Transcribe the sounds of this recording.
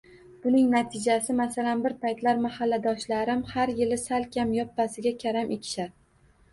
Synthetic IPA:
b̥ʊnɪŋnat̪ʰɪd͡ʒasɪmasalanbɪɾpajt̪laɾmahalːad̪ɒʃlaɾɪmhaɾjɪlɪsalkʲʰamjɒpːasɪɡʲakʲʰaɾamʔekʲʰɪ̥ʃaɾ

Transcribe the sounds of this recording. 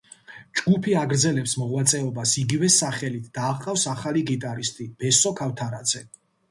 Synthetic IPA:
d͡ʒɡupʰiaɡɾd̪zɛlɛpsmɔʁwat̪sʼɛɔbasiɡivɛsaχɛlit̪ʰd̪̥aːqʼafsaχaliɡit̪ʼaɾist̪ʼib̥ɛsɔkʰaft̪ʰaɾad̪z̥ɛ

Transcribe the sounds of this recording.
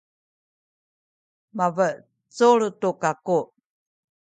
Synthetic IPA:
mavə | t͡suɾtukaku

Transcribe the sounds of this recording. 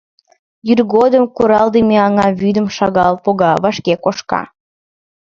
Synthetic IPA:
jyrɣod̪əmkuɾɑld̪emeɑŋɑβyd̪əmʃɑɣɑlpoɣɑβɑʃkekoʃkɑ̰

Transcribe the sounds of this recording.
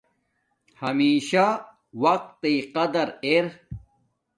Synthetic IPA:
hɐmiːɕa | wɐq̚t̪ːiqɐd̪ɐɾeɾ

